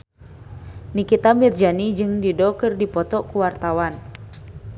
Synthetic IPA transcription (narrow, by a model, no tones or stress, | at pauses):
nikit̪amird͡ʒanid͡ʒɨŋdidɔkɨrdipɔt̪ɔkuwart̪awan